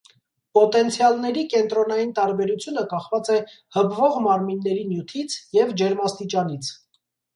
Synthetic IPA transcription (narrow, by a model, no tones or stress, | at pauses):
pɔt̪ɛnt͡sʰjɑlnɛɾikɛnt̪ɾɔnɑjint̪ɑɾbɛɾut͡sʰjunəkɑχvɑt͡sɛ | həbvɔʁmɑɾminːɛɾinjut̪ʰit͡sʰjɛvd͡ʒɛɾmɑst̪it͡ʃɑnit͡sʰ